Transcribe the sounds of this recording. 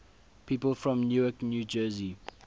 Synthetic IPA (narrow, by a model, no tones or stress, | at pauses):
pʰiːpəlfɹɔ̃mnjuːjɔknjuːd͡ʒəzi